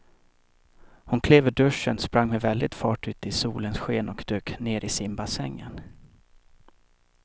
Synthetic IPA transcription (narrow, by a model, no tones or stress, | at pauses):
hʊnkʰleːvəɖɵʂənspɾaŋːmɛvɛld̪ɪt̪fɑːʈʉ̟ːt̪ɪsuːlənsɧeːnɔkd̪̥øːkneːɾʔɪsɪmbasɛŋːən